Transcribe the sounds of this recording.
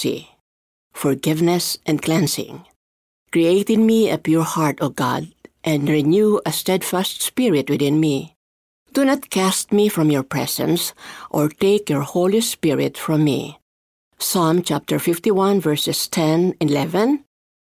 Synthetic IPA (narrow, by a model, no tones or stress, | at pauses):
sḭ | fɔɹɡɪvnɛsʔɛ̃nklɛ̃nsɪ̰̃ŋ | kɹieɪtɪ̃nmiəpjuɹhɑɹtoɡɑ̰dʔɛ̃nɹinjuəstɛdfæstspɪɹɪt̚wɪθɪ̃nmi | d̥unət̪kʰæst̪̚mifɹɔ̃mjɔɹpʰɹɛ̰sɛ̰̃nsʔɔɹteɪkjɔɹhoʊlispɪɹɪ̰tfɹɔ̃mːḭ | sãmt͡ʃæp̚tʰəɹfɪft̪iwʌ̃nvɜɹsɨstʰɛ̃nilɛvɛ̃n